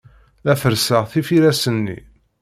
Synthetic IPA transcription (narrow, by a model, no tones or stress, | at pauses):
æfəɾsəʁθifiɾæsənːḭ